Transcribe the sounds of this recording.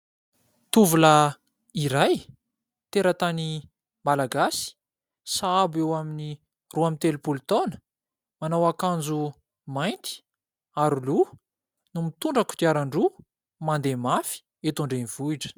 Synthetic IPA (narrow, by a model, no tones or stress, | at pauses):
t̪uvula | iɾaj | t̪eɾət̪ani | malaɡasi̥ | saabewamini | ruamint̪elupult̪onə̥ | manawakand͡zu | majnt̪i̥ | aɾulu | numit̪uɳɖ͡ʐaku̥t̪iaɾaɳɖ͡ʐu | mand̪emafi̥ | et̪uɳɖ͡ʐeniv̥uiʈ͡ʂə̥